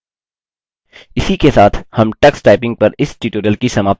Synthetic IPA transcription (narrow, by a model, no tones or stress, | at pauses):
ɪsikesaːt̪ʰhɐmʈɐksʈaːɪpɪ̃ŋɡ̚pɐɾɪsʈiːʈoːɾəlkisɐmaː